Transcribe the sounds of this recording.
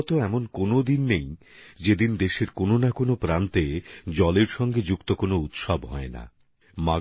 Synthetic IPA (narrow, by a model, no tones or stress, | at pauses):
t̪oɛmonkonod̪inːej | d͡ʑed̪ind̪eʃeɾkononakonopɾant̪ed͡ʑɔleɾʃɔŋɡed͡ʑukt̪okonout̪ʃabɦɔena̰ | ma